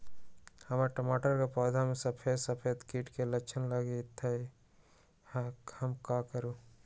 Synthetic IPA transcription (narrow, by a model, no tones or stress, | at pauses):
hɐmaɾʈɐmaːʈəɾkapɔːd̪ʱamẽsɐpʰeːsɐpʰeːd̪kiːʈkelɐt͡ʃʰənlaɡeɪt̪ʰːai | hɐmkakəɾu